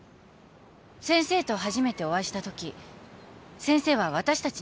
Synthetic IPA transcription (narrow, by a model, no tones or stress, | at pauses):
sẽ̞ɰ̃se̞ːt̪o̞ɦaʑime̞t̪e̞o̞βaɕi̥t̪at̪o̞kʲi | sẽ̞ɰ̃se̞ːβaβ̞at̪aɕi̥t̪at͡ɕi